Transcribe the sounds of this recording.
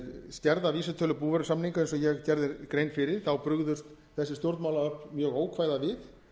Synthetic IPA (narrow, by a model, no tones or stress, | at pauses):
scɛɾðaviːsat̪ʰœːlʏpuːvɛɾsamniŋkaɛnsɔjɛɣcɛɾðɪɾkɾejnfɪɾɪɾ̥θawpɾʏɣðʏst̪ | θɛsːɪst̪jowɾt̪maːwlaœhpmjœːɣoːwkʰvaːjðavɪð